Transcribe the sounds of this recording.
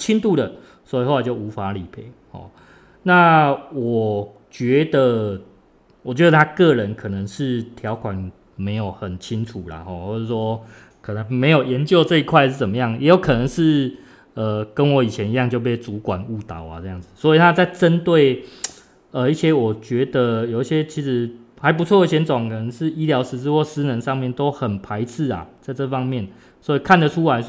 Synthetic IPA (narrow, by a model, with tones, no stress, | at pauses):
t͡ɕʰi˦˥nt̪u˥˨˩də˨˩ | swɔ˦˥i˨xo˥wa˨˩t͡ɕo˥˩ʊu˧˦˥fa˨˧˦li˨˩pʰe˥˩˦hɔ̰˨˩ | na˥˨wɔ˨˩ | t͡ɕɥɛ˨˧˦d̪ə˨ | wɔ˨˩t͡ɕɥɛ˦d̪ə˨˧t̪ʰa˦˥kɤ˥˨ɻə˧˦nkʰɤ˨˩nə˧˦ŋʂɻ̩˥˨t̪ʰjɑ˨˦ʊkʰwa˨˩n | me˧˥ɪjo˨˩ʊxə˨˩nt͡ɕʰi˦ŋt͡sʰu˨˩la̰˨xɔ˥˩xwɔ˥˧˩ʂ̩˥˩swɔ˦ | kʰɤ˨˩nə˧˦ŋme˧˥ɪjo˨˩ʊjɛ˧˦nt͡ɕjo˥˧ʊt͡sɤ˥˧i˧˥kʰwa˥˧ɪʂɻ̩˥˩t͡sə˨˩mə˦jɑ˥˩ŋjʔɛ˧˦jo˨˦ʊkʰɤ˨˩nə˧˦ŋʂɻ̩˥˩ | ə˩kə˦˥nwɔ˨˧˦i˨˩t͡ɕʰjɛ˧˦ni˧jɑ˥˧ŋt͡ɕjo˥˧ʊp̬e˥˧˩ɪt͡su˨˥˦kwa̰˨˩nu˥˩t̪a̰˨˦ʊa̰˨˦t͡sɤ˥˧jɑ˥˩ŋd͡z̩˨˩swɔ˧˥i˨t̪ʰa˦˥t͡sa˥˩ɪʈ͡ʂə˦˥nt̪we˥˩ɪ | ə˨i˥˩ɕjɛ˥wɔ˨˩t͡ɕɥɛ˧˥d̪ə˨jo˨˩ʊi˧˩ɕjɛ˦˥t͡ɕʰi˧˥ʂɻ̩˧˥ | xa˧˦ɪp̬u˧˥t͡sʰwɔ˥˨ə˧˩ɕjɛ˧˥nt͡sɔ˨˩ŋkʰɤ˨˩nə˧˦ŋʂɻ̩˥˧i˥ljɑ˧˥ʊʂɻ̩˧˥t͡s̩˥˧wɔ˥˧˩sɹ̩˥nə˧nʂɑ˥˧ŋmjɛ˥˨nt̪o˥ʊxə˨˩npʰa˧˦ɪt͡s̩ʰ˥˩a̰˨˩t͡sa˥˧ɪʈ͡ʂɤ˥˧fɑ˦ŋmjɛ˥˩n | swɔ˧˦˥i˨kʰa˥˩nd̪ə˨ʈ͡ʂʰu˦˥la˧˦